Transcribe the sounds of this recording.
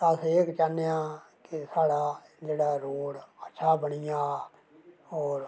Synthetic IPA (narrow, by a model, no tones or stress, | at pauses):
əseːkt͡ʃaːnːejãː | kɪsaːɽaː | d͡ʒeːɽaːɾoːɽətːʃʰaːbəɽ̃ijaː | ɔːɾ